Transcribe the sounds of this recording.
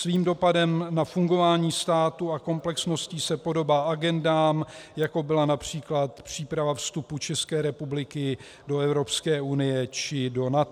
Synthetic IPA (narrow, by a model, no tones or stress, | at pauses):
sviːmdo̞padɛmnafuŋɡo̞vaːɲiːst̪aːt̪uako̞mplɛksno̞sciːsɛpo̞do̞baːʔaɡɛndaːmjako̞bɪlanapr̝̥iːklat̪pr̝̥iːpɾavafst̪uput͡ʃɛskɛːɾɛpublɪkɪ | do̞ɛvɾo̞pskɛːʔunɪjɛt͡ʃɪdo̞nat̪